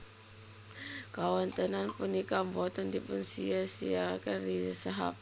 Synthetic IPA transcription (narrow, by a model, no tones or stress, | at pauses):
kawant̪ənanpunikambɔt̪əndipunsiasiakərɾiəsaɦa̰p̚